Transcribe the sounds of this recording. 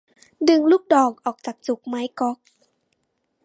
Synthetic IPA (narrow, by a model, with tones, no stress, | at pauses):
dɯ˨˩ŋluː˥˩k̚dɔː˨˩k̚ʔɔː˨˩k̚t͡ɕaː˨˩k̚t͡ɕu˨˩k̚ma˧˦jkɔ˧˦˥k̚